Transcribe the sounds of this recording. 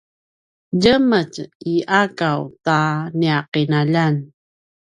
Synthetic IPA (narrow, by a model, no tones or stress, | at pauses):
ɟəməciʔakawtaniaqinaʎan